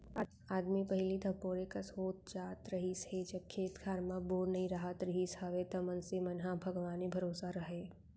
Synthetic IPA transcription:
aːd̪mipɐɦɪlid̪ʱɐpoːɾekasoːt̪̚d͡ʒaːt̪ɾɐɦished͡ʒɐb̚kʰːeːt̪kʰaːɾmãboːɾnɐɦĩɾaːɦət̪ɾɐɦishɐʋet̪ɐmɐnsemɐnɦabʱɐɡʋaːnebʱɐɾoːsaɾɐɦeː

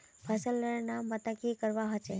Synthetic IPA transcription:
pʰəsəlːənambət̪akikəɾʋaɦət͡ʃʰe

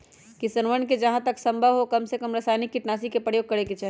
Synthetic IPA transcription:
kisənʋənked͡ʒɐɦãt̪əksə̃mbʱəʋɦokɐmsekəmɾəsajnikːiʈnaːsikepɾəjoːɡ̚kəɾeket͡ʃəɦ

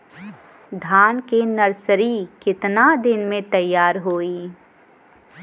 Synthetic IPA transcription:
d̪ʱaːnkenɐɾsəɾikɪt̪nad̪ɪnmẽt̪ɐjːaːɾɦoːiː

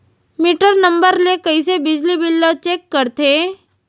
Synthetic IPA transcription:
miːʈəɾnɐ̃mbəɾlekɐis̬ebɪd͡ʒlibɪlːat͡ʃeːkːəɾt̪ʰeː

